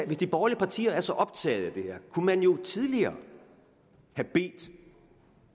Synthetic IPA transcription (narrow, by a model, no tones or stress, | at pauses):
ʋe̝sd̥ib̥ɒːliəpʰɑ̈t͡sʰḭːɐæɐsɒ̽ʔɒ̽b̥̚t͡sʰɛ̰ːð̞̩ˠæd̥e̝heɐkʰumænjo̝t͡sʰið̞ˠliɐː | hæb̥e̝̰ːd̥